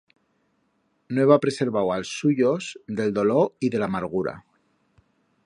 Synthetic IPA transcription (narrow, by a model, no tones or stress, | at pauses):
noeβapɾe̞se̞ɾβawalsːuʝo̞zðe̞ld̪o̞lo̞ɾiðe̞lamaɾɣ̞uɾa̰